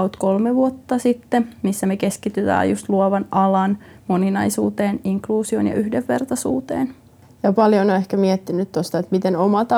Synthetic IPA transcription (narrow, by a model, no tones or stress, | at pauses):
ot̪ko̞lmeʋuot̪ːɑsit̪ːemisːæmeke̞skit̪yt̪æ̰ːjṵst̪luoʋɑnɑlɑnmo̞ninɑjsṵːt̪eːniŋkluːsio̰njɑ̰ʔyhdeʋːe̞̰rt̪ɑsṵːt̪ḛːn | jɑpɑljonoehkæmiɛt̪ːinyt̪t̪ost̪ɑet̪mit̪enomɑt̪